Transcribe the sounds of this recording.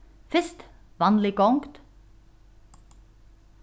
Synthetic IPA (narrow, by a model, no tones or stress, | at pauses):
fɪst̪ | ʋɑːnlɪkoʊŋkt̪